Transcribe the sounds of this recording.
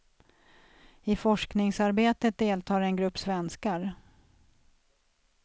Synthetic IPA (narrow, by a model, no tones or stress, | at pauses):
ɪfɔʂknɪŋsaɾbeːt̪ət̪̚d̪eːlt̪ʰɑːɾɛnɡɾɵpːsvɛnskaɾ